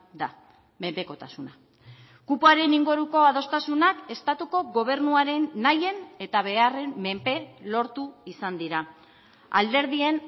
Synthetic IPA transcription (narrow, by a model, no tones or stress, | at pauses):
d̪a | mempe̞ko̞t̪asuna | kupuaɾe̞niŋɡoɾuko̞að̞o̞st̪asunake̞st̪at̪uko̞ɣo̞β̞e̞rnuaɾe̞nːaje̞ne̞t̪aβe̞are̞mːe̞mpe̞lo̞ɾt̪uisand̪iɾa | a̰ld̪e̞ɾð̞ie̞n